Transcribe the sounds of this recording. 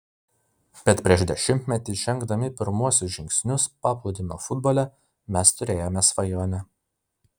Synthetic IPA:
b̥ʲɛt̪pʲɾʲiɛʃd̪ʲɛʃʲɪmʲt̪ʲmʲɛt̪ʲɪʒʲɛŋɡd̪ɐmʲɪpʲɪɾmuɔsʲʊsʒʲɪŋʲksʲnʲʊspɑːplˠuːd̪ʲɪnoːfʊd̪bɔːlʲɛ | mʲɛst̪ʊɾʲeːjoːmʲɛsʋɐjoːnʲɛ

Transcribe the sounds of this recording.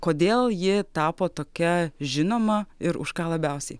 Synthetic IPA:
koːd̪ʲeːlˠjɪt̪ɑːpoːt̪oːkʲɛʒʲɪnoːmɐɪɾʊ̰ʃkɑːlˠɐbʲɛʊsʲɛɪ

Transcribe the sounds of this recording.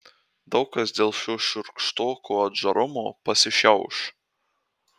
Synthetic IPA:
d̪ɐʊkɐsd̪ʲeːlˠʃʲoːʃʲʊɾkʃt̪oːkoɐd̪ʒɐɾʔʊmoːpɐsʲɪʃʲɛʊʃ

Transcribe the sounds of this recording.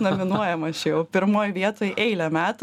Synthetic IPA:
nomʲɪnuɔjɛmɐʃʲjɛʊpʲɪɾmoːjʋʲiɛt̪oːjʔɛɪlʲɛmʲæːt̪ʊ

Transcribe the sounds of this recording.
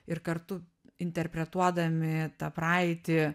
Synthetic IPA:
ɪɾkɐɾt̪ʊ | ɪnʲt̪ʲɛɾʲpʲɾʲɛt̪uɔd̪ɐmʲɪt̪ɑːpɾɑːɪt̪ʲɪ

